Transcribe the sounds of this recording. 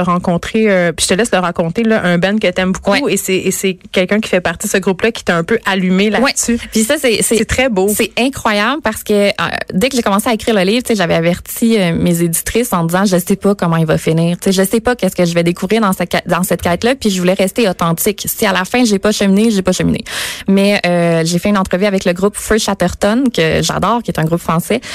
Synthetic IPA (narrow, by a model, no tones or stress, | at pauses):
əʁɑ̃kɔ̃t̪χeøpi̥t̪əlɛsləʁakɔ̃t̪elʌʔɛ̃bɛnkət̪ɛmbukwuɛesɛːsɛkʲɛlkʲœ̃kʲi̥fɛpaʁt̪id̪əsəɡʁuplʌkʲi̥t̪ɛɛ̃pøʔalymelawɛsypisʌsɛsɛsɛt̪χɛbosɛɛ̃kχwajablpaʁsə̥kəɛ̰d̪ɛkəʒekɔmɑ̃seaekχiːʁləliːv̥t͡seʒavɛavɛʁt͡siømezedd͡zi̥t̪χɪsɑ̃d̪izɑ̃ʒəsɛpʌkɔmɑ̃ilvʌfəniːʁt͡seʒəsɛpʌkʲɛskəʒəvɛd̪ekuvʁiːʁd̪ɑ̃sɛkɛd̪ɑ̃sɛt̪̚kʲɛːt̪lʌpɥiʒəvulɛʁɛst̪eɔt̪ɑ̃t̪t͡sɪksialafɛ̃ʒepʌʃəmineʒepʌʃəmḭnḛmɛøʒefɛynɑ̃t̪χəvyavɛkləɡʁʊpføʃat̪œʁt̪ɔnkəʒa̰d̪ɔːʁkʲjet̪ɛ̃ɡʁupfχɑ̃sɛ